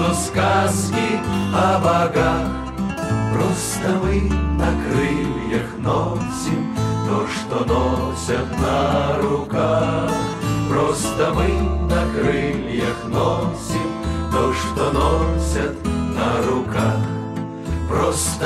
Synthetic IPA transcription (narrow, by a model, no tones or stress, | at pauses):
ɔskaskʲiɐbɐɡa | pɾɔst̪ɐmɨnɐkɾɨlʲjɐxnɔsʲimt̪ɔʂt̪ɔnɔsʲɐt̪nɐɾʊkax | pɾɔst̪ɐmɨnɐkɾɨlʲjɐxnɔsʲimt̪ɔʂt̪ɔnɔsʲɐt̪nɐɾʊkax | pɾɔst̪